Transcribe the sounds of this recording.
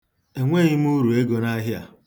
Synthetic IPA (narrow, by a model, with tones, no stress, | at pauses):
e˨ŋʷe˦˨ɣɪ˦m̩˦u˦ɾu˨e˦ɡo˨na˦ɦɪ˦a̰˨